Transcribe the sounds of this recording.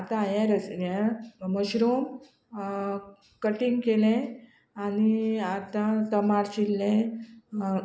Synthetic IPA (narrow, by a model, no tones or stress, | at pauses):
at̪ãjɛ̃ɾəsjeməɕɾom | kəʈiŋɡkelẽ | aniat̪ãt̪əmaɽt͡ɕilːẽ